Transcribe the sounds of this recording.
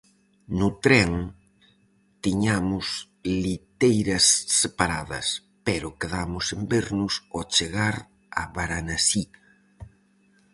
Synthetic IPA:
nʊt̪ɾɛŋ | t̪iɲamʊs | lit̪ejɾɐsːepaɾaðɐ̰s | peɾʊkeðamʊsembeɾnʊsot͡ʃeɣaɾ | a̰βaɾanasi

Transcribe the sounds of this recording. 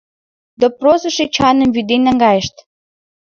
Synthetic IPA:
d̪oprosə̆ʃet͡ɕɑnə̆mβyd̪enæŋɡɑjə̆ʃt̪

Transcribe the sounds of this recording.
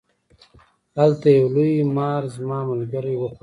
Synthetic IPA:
alt̪ajawlumɑːɾzmɑːmalɡəɾiwəx

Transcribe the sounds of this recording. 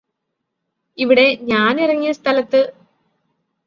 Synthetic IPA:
iʋiɽe̞ɲaːnirɐŋːijɐst̪ʰɐlɐt̪ːɨ

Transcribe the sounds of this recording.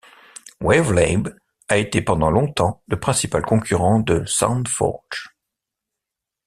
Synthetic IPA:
wɛvlɛb | aet̪epɑ̃d̪ɑ̃lɔ̃t̪ɑ̃ləpχɛ̃sipalkɔ̃kʲʰyʁɑ̃d̪əsã̰nfɔ̰ʁ

